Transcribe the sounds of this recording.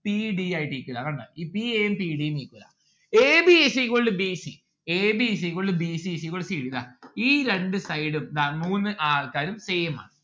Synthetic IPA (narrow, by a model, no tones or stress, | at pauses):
piːɖiaːjiʈːiːkʲːuɾaːkɐɳɖa̰ːiːpieːjɐmpiːɽijniːkʲːuɾa̰ː | eːbiesikoɭːɨbisi | eːbis̬ikoɭːɨbiːsisikoɭːsiːɽiða̰ːiːɾe̞ɳɖɨsɐjɽumd̪aːmuːnːɨʔaːrkaːɾumse̞ːjma̰ːɳɨ